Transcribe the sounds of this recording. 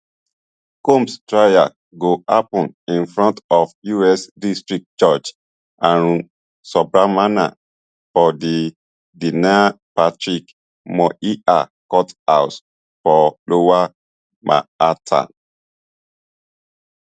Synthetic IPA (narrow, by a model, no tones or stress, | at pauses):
kõmstɹaja̰ | ɡoapɔ̃nĩnfɹɔ̃ntɔfjuɛsdistɹik̚t͡ʃɔt͡ʃ | ãn | sɔbɹamana̰ | fɔdi | dina | patɹik | mɔʔiʔa̰kɔthaʊs | fɔlowa | mʔa̰atʰa̰